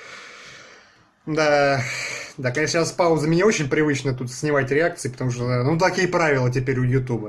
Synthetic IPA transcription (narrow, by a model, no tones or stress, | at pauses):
d̪a | d̪akɐnʲeʂnəjaspavʊzəmʲɪnʲeot͡ɕɪnʲpɾʲɪvɨt͡ɕnət̪ut̪sʲnʲɪmatʲɾʲɪak̚t̪sɨɪpə̥t̪ɐmuʂt̪od̪anut̪ɐkʲijəpɾavʲɪlˠət̬ʲɪpʲeɾʲʊjʊt̪ubə